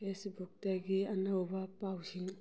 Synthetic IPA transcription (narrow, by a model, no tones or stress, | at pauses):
esbuk̚taɡiɐnawbɐpawsiŋ